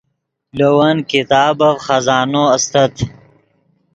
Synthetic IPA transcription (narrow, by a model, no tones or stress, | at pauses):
lowankit̪aːbɐvχɐzaːnoɐst̪ɐt̪